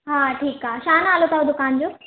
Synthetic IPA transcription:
ɦãʈʰiːkaɕaːnalot̪aɦod̪ʊkand͡ʑoː

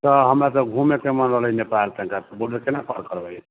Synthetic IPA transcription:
t̪əɦəmɾasə̃ɡʱũmekemənɾəɦləinepalt̪əĩkat̪boɖəɾkenapʰəɾkəɾbaj

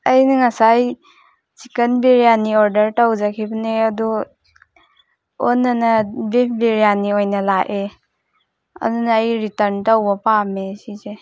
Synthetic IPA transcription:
ɐjnɐŋasaj | sikɐnbeɾijaniɔɾdɐɾtawzakʰibɐneɐdu | onːanɐbep̚ʰbeɾijaniojnɐlaʔe | ɐ̰dunaːjɾitɐɾntawbɐpamesize

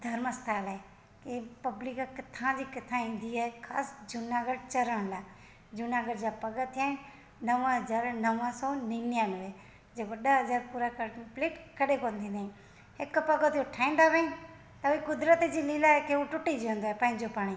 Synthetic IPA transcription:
d̪ʱəɾməst̪ʰaːlːe | kepəblikkɪt̪ʰːãːd͡ʒiːkət̪ʰːãːĩːnd̪iaːɦekʰa̰ːsd͡ʒʊnaɡəɖt͡ʃəɾəɳlaː | d͡ʒʊnãːɡəɽd͡ʒaːpəɡət̪ʰːɪjaːɪn | nəʋə̃ɦəzaːɾnəʋãsoːniːnjaːnʋeː | d͡ʒeʋəɗaɦəzaːɾpuːɾaːkəɾpleːʈkəɗekõːnd̪ʰĩːnd̪ã | hɪkpəɡət̪joʈʰaːĩːnd̪aːʋẽĩ | t̪ɐikʊd̪ɾət̪d͡ʒiːliːlaːɦekeoʈʊʈːid͡ʒõnd̪oːɦepãːɦɪ̃ɲd͡ʒoːpaːɽ̃iː

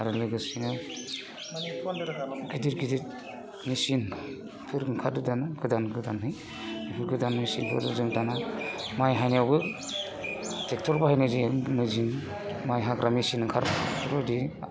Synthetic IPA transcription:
aɾalɯɡɯsinɯ | ninkidiɾkidiɾ | nisin | pʰɯɾŋkʰadɯdanɯɡʰɯdanɡɯdanhɯj | nipʰɯɾɡɯdannisinpʰɯ̰ɾɯzɯŋtanamajɦaniawbɯ | tʰek̚tʰɔɾbaɦajnɯzimɯzin | majɦakɾʔamisinŋkʰaɾbpʰɯɾɔjdi

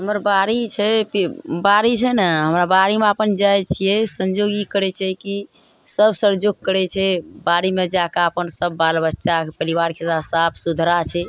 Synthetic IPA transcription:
ɦəməɾbaɾit͡ʃʰɛpibaɾit͡ʃʰɛnəɦəmɾabaɾimeəpənd͡ʒajt͡ʃʰijɛsənd͡ʒoɡikəɾɛt͡ʃʰɛki | səbsəɾd͡ʒoɡ̚kəɾɛt͡ʃʰɛbaɾimed͡ʒakaəpənsəbːalbətːʃapəɾiʋaɾket̪asapʰsud̪ʱɾat͡ʃʰɛ

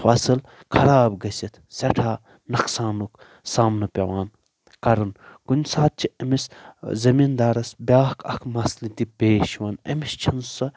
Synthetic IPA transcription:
fɐsɨl | kʰɐɾaːbɡɐsʲit̪ʰsɐʈʰaː | nɐksaːnuk | saːmnɐpʲɐʋaːn | kɐɾɐnkunʲsaːt̪̚t͡ʃʰiɐmiszɐmind̪aːɾɐsbʲaːhkʰɐ̰kʰmɐslit̪ipeːʃiʋɐnɐ̰mist͡ʃʰɐnsɐ

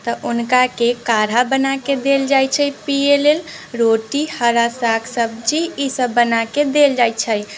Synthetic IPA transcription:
t̪əʔunkakekaɾ̤abənaked̪eld͡ʒajt͡ʃʰəjpielel | ɾoʈihəɾasakʰsəb̚d͡ʒiisəbːənaked̪eld͡ʒajt͡ʃʰəj

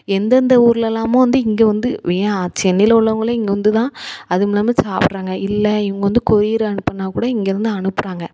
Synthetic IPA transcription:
ɛnd̪ɐnd̪ɐuːɾɪlɛlːaːmõːʋɐnd̪ɯɪŋɡeːʋɐnd̪ɯʋeːat͡ʃɛnːɪlɐʊɭɐʋɯŋɡɐɭɐɪŋɡɐʋɐnd̪ɯt̪ãːɐðɯmɪlɐmeːsaːpɪɾaːŋɡɐɪlːɛɛʋɐŋɡɐʋɐnd̪ɯkɔɾɪjɪɾɯɐɳɯpːɐɳːaːkuːɽɐɪŋɡeːɾɪnd̪ɯɐɳɯpːɯɾaːŋɡɐ

